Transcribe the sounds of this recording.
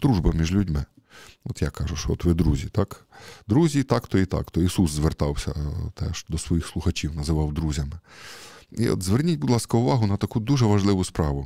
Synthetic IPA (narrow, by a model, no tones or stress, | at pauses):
d̪ɾuʒbɐmʲiʒlʲʊdʲmɪ | ɔt̪jakɑʒʊʃɔɔt̪ʋɪd̪ɾuzʲit̪ɑkd̪ɾuzʲit̪ɑkt̪ɔit̪ɑ̰kt̪ɔisuszʋert̪ɑwsʲɐ̰t̪ɛ̰ʃd̪ɔsʋɔjixslˠʊxɐt͡ʃʲiwnɐzɪʋɑwd̪ɾuzʲɐmɪ | ḭɔ̰t̪zʋernʲitʲbʊd̪lˠɑskɐʊʋɑɦʊnɐt̪ɐkud̪uʒɛʋɐʒlˠɪʋʊspɾɑʋʊ